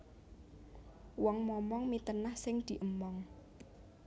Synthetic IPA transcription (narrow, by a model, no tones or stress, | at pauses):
wɔŋmɔmɔŋmit̪ənahsɪŋd̪̥i̤ʔəmɔŋ